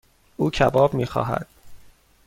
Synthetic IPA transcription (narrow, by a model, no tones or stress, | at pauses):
ʔuːcʰæbɒːbmiːxɒ̰ːɦæ̰d̪̥